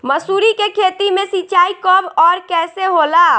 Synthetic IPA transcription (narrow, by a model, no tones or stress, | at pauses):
məsuɾikekʰet̪imesit͡ʃaikəbɔɾkɛseɦola